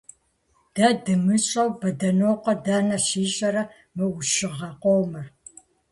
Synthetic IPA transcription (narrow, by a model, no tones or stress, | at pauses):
d̥ɐdɨmɨɕʼɐwbɐdɐnoːqʷɔdaːnɐɕiːɕʼɐɾɐ | mɨʊʃɪʁɐqʷowmɨr